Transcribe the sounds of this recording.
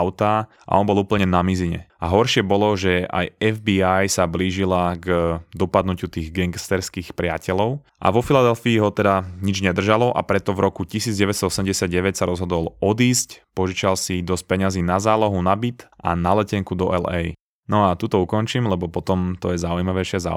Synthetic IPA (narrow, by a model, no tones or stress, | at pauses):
aʊt̪aː | ʔa̰ʔɔnbɔlˠuːpl̩ɲɛnamiziɲɛ̰aɦɔɾʃɪɛbɔlɔʒɛa̰jɛvbiajsabliːʒilaɡd̪ɔpad̪nucut̪iːɣɡɛŋɡst̪ɛɾskiːxpɾɪacɛlɔʊ | ʔa̰ʋɔfilad̪ɛlfiːɦɔt̪ɛd̪aɲid͡ʒɲɛd̪r̩ʒalɔʔa̰pɾɛt̪ɔvɾʔɔkucisiːd͡zɟɛʋɛst̪ɔɔsɛmɟɛsɪad̪̚ɟɛʋɛcsaɾɔzɦɔd̪ɔlˠɔd̪iːscpɔʒit͡ʃalsid̪ɔsc̚pɛɲaziːnazaːlɔɦunabit̪ʔa̰nalɛcɛŋkud̪ɔʔɛlɛ̰j | nɔat̪ut̪ɔukɔnt͡ʃimlɛbɔpɔt̪ɔmt̪ɔjɛzaujimaʋɛɪʃɪɛza̰